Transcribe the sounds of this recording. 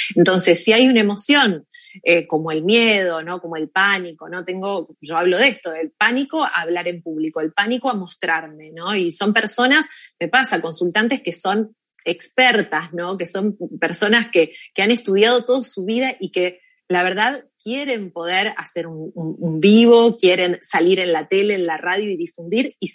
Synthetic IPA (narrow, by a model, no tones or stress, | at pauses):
ent̪o̞nse̞sːiajunaemo̞sjo̞n | eko̞moelmjeð̞o̞no̞ko̞moe̞lpaniko̞no̞t̪eŋɡo̞ʒo̞aβlo̞ðest̪oðelpaniko̞a̰ːβ̞laɾe̞mpuβlikoelpanikoamo̞st̪ɾaɾme̞no̞iso̞mpeɾso̞nasme̞pasako̞nsult̪ant̪e̞skeso̞n | ekspeɾt̪asno̞ke̞so̞mpeɾso̞naskekeane̞st̪uð̞jað̞o̞t̪o̞ðosuβiðaʔike̞ | laβeɾð̞aðkje̞ɾe̞mpo̞ð̞eɾa̰seɾunumumbiβo̞kje̞ɾe̞nsaliɾe̞nlat̪e̞leːnlaraðjo̞iðifund̪iɾi